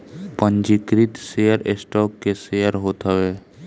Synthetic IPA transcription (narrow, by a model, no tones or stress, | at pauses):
pə̃ɲd͡ʒikɾɪt̪sejəɾesʈɔːkːesejəɾɦoːt̪əʋeː